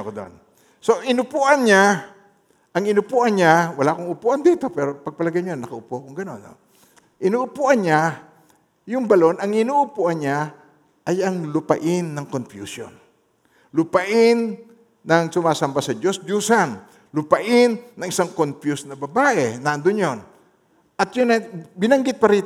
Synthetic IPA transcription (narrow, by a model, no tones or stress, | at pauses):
kod̪o̰n | so̞ʔɪnʊpuʔɐnɲa | ʔɐŋɪnʊpuʔɐnɲawɐlaʔkʊŋʊpuːʔɐnd̪iːt̪o̞pɛːɾopɐɡ̚pɐlɐɡajɲonːɐkɐʔʊpoʔkʊŋɡɐno̞no̰ | ʔɪnuʔʊpuʔɐnɲa | jʊŋbɐlo̞nɐŋɪnuʔʊpuʔanɲa | ʔɐjɐŋlʊpɐ̰ʔɪnːɐŋkonfjṵːsjo̰n | lʊpɐʔɪnː | ɐŋsʊmaːsɐmbasɐd͡ʒosd͡ʒuːsan | lʊpɐʔɪnːɐŋɪsaŋkonfjusnɐbɐbaːʔɛnaʔnd̪onjon | ʔɐt̪jʊnabɪnɐŋɡɪt̪̚pɐɾiːt̪